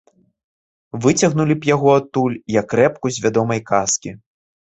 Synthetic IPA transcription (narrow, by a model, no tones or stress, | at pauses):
vɨt͡sʲɐɣnulʲipjaɣɔat̪ːulʲjɐkːɾɛp̚kuzʲvʲad̪ɔmɐjkaskʲi